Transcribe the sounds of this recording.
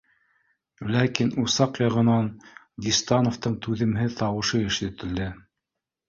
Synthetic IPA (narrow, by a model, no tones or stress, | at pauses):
lækinusɑqjɑʁɤ̆nɑn | ɡ̪ʲist̪ɑnoft̪ɤɴt̪ʉðɘ̆mɦɘt̪ɑwɤ̆ʃɤɘ̆ʃɘ̆t̪ɘ̆ld̪ɘ